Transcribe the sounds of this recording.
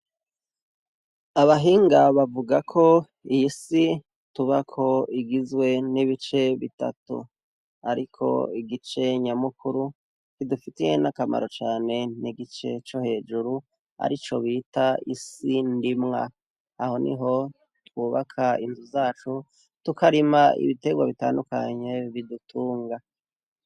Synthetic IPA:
aβaɦiːŋɡaβavuɡakʰo̞ | ijisi | tuβakʰo̞iɡizwe̞niβit͡ʃe̞βḭta̰tṵ | aɾikʰo̞̰iɡit͡ʃe̞ɲamukuɾu | kidufitije̞nakama̰ɾo̞t͡ʃaːne̞niɡit͡ʃe̞t͡ʃohe̞ːd͡ʒuɾu | a̰ɾit͡ʃo̞βitaisindimŋa̰ː | ho̞nḭɦo̞ | twuːβakʰaḭnzuzaːt͡ʃu | tukaɾimaḭβite̞ɡwaβita̰ːndukaɲe̞βidutʰuːŋɡa

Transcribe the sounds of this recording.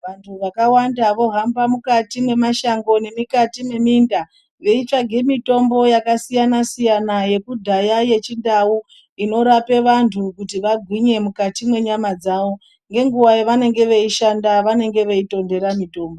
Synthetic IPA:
ʋantʰuʋakawandaʋo̞ɦambamukatimwe̞maʃaŋɡo̞ne̞mikatime̞minda | ʋe̞it͡ʂaɡʱe̞mito̞mbo̞jakasijanasijanaje̞kudʱajaje̞t͡ʃindawu | ino̞ɾape̞ʋantʰukutiʋaɡʱwiɲe̞mukatimwe̞ɲamad͡zaʋo̞ | ŋɡe̞ŋɡuwajeʋane̞ŋɡe̞ʋe̞iʃandaʋane̞ŋɡe̞ʋe̞ito̞nde̞ɾamito̞ːmbo

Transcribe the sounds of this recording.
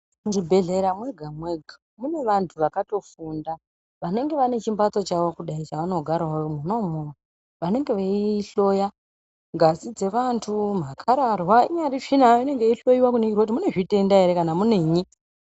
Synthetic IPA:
muʐibʱe̞ɮe̞ɾamwe̞ɡʱamwe̞ɡʱa | mune̞ʋantʰuʋakato̞funda | ʋane̞ŋɡe̞ʋane̞t͡ʃimbat͡sot͡ʃaʋo̞kuɗait͡ʃaʋano̞ɡʱaɾwajomuno̞moa | ʋane̞ŋɡe̞ʋeiɬo̞ja | ŋɡʱasid͡ze̞ʋantʰum̤akʰaɾarwaiɲaɾiʂinaine̞ŋɡeiɬo̞jiwakuneirodimune̞ʐite̞ndaeɾe̞kanamuneɲi

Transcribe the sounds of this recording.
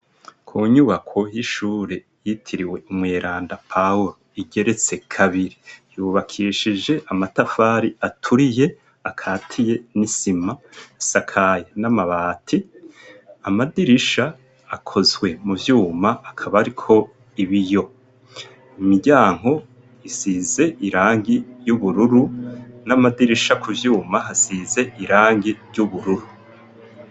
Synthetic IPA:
kʰuːɲuβakʰo̞jiʃuːɾe̞ | jitʰiɾiwe̞umŋeːɾʔaːndapʰauɾoiɡe̞ɾe̞t͡se̞kʰaβiɾijuːβakʰiːʃid͡ʒe̞ʔamatafaːɾiatʰuɾije̞ | akʰaːtʰije̞nisimasakʰajanamaβaːtʰi | amadiɾiʃaː | kʰo̞zwe̞muvjuːmaːkʰaβaɾikʰo̞ | iβijo̞ | imiɟaːŋ̥o̞ | isiːze̞ʔiɾaːŋɡijuβuɾuɾunamadiɾiʃakʰuvjuːmaɦasize̞ʔiɾaːŋɡiɾjɟuβuɾuɾu

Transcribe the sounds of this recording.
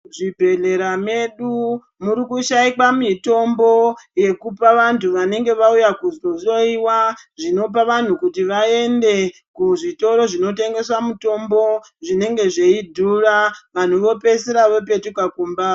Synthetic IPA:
ʐibʱe̞ɮe̞ɾame̞ɗu | muɾikuʃaikwamito̞mbo̞je̞kupaʋantʰuʋane̞ŋɡe̞ʋaujakuzozo̞iwaʐino̞p̬aʋan̤ukutiʋae̞nde̞ | kuʐito̞ɾo̞ʐino̞te̞ŋɡe̞swamuto̞mbo̞ | ʐine̞ŋɡe̞ʐe̞idʱuraʋan̤uʋo̞pe̞seɾaʋo̞p̬e̞tukakumbaː

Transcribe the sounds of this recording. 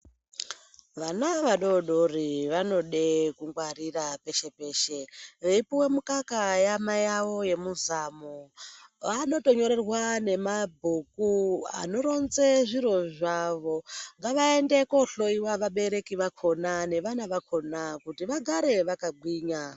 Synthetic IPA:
ʋanaʋaɗo̞ɗoriʋano̞ɗe̞kuŋɡwarirape̞ʃe̞pe̞ːʃeʋeipiwe̞mukakajamajawo̞je̞muzamoʋano̞to̞ɲo̞ɾe̞rwane̞mabʱukua̰no̞ɾo̞nzeʐiro̞ʐaʋo̞ŋɡaʋae̞nde̞ko̞ɬo̞iwaʋaɓe̞ɾe̞kiʋakʰo̞nane̞ʋanaʋakʰo̞nakutiʋaɡʱaɾe̞ʋakaɡʱwiːɲa

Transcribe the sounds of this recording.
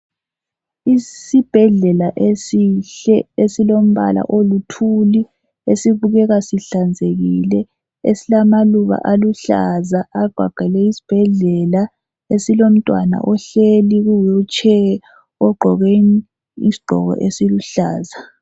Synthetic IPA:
isib̥ʱɛɮɛlaʔesiɬɛesilom̩βa̰la̰ʔolutʰuli | esiβuɣɛɣasiɬand͡zʱeɣilɛ | esilamaluβa̰ʔaluɬazaaɡ͡ǃ̥ʱwa̰ɡ͡ǃʱɛlɛisi̥b̥ʱɛɮɛla | esilom̩tʼwana̰ʔɔɬeliɣujɔt͡ʃʰʼɛ | ɔɡ͡ǃʱɔɣeni | isi̥ɡ͡ǃʱɔ̰ɣɔ̰ʔesiluɬa̰ːza

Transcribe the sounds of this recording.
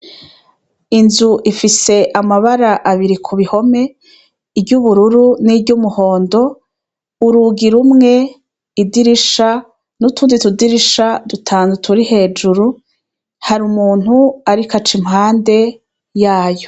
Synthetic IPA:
inzuʔifise̞ʔamaβaɾaʔaβiɾikʰuβiho̞me̞ | ibɟuβuɾuɾunibɟumuho̞ːndo̞ | uɾuɡiɾumŋe̞ | idiɾiʃa | nutʰuːnditudiɾiʃadutʰaːnzutʰuɾihe̞ːd͡ʒuɾu | haɾumuːn̥huaɾikat͡ʃimhaːnde̞ | jaːjo

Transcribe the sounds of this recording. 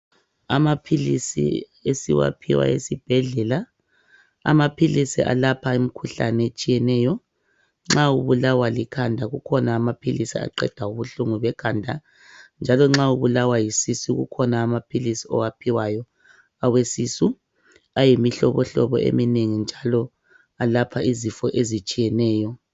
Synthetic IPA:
a̰mapʰilisḭ | esḭwa̰pʰiwa̰esib̥ʱɛɮɛla | a̰mapʰilisḭʔa̰lapʰaemikʰuɬanɛet͡ʃʼijɛnɛːjɔ | ŋ͡ǁauβulawalikʰandʱaɣukʰɔnaːmapʰilisia̰ǃɛ̰d̥ʱauβuɬuŋuβɛkʰandʱa | nd͡ʒʱalɔŋ͡ǁauβulawajisisuɣṵkʰɔnaːmapʰilisiɔ̰wapʰiwajɔ | awesisu | ajimiɬɔ̰βɔɬɔβɔ̰ʔḛmineŋind͡ʒʱalɔ | alapʰaizifɔʔezit͡ʃʼijɛnɛːjɔ

